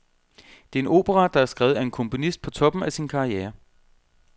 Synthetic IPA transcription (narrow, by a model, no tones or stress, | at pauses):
d̥e̝æɐe̝no̝̰ːb̥eʁɑ̈d̥ɑ̈æɐsɡ̥ʁɛːʊð̞̩ˠæe̝nkʰɔ̽mpʰo̝nisd̥̚pʰɒ̽t͡sʰɒ̽b̥m̩æsinkʰɑ̈ieːɐ